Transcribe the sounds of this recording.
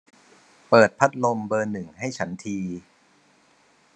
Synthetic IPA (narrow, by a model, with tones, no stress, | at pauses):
pɤː˨˩t̪̚pʰa˦˥t̪̚lo˧mbɤː˧nɯ˨˩ŋha˥˩jt͡ɕʰa˦˥nt̪ʰiː˧